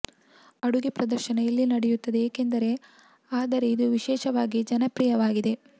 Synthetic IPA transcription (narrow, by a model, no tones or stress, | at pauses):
ɐɽuɡipɾɐd̪ɐɾʃɐnɐjɐlːinɐɽejut̪ːɐd̪e̞eːke̞nd̪ɐɾe̞ | aːd̪ɐɾe̞id̪uʋiʃɛːʃɐʋaːɡid͡ʒɐnɐpɾijɐʋaːɡid̪e̞